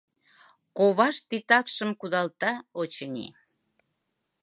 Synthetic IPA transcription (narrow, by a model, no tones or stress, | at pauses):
koβɑʃt̪it̪ɑkʃəmkud̪ɑlt̪ɑot͡ɕənʲḭ